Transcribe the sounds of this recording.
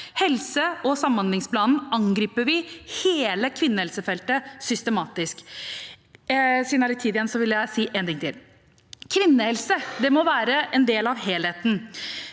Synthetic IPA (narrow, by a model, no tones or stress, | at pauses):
hɛlsəɔsɑmːɑnlɪŋspʰlɑːnn̩ɑŋɡɾiːpəʋɪheːləkʰʋɪnːəhɛlsəfɛlt̪əsʏst̪əmɑːt̪ɪsk | siːdnɑlɪt̪ʰiːd̪ɪjɛnsɔʋɪləjæɪsiːʔeːnt̪ɪŋt̪ɪ̰l | kʰʋɪnːəhɛlsəd̪ɛmɔʋæːɾəʔɛnd̪eːlɑʋɦeːleːt̪n̩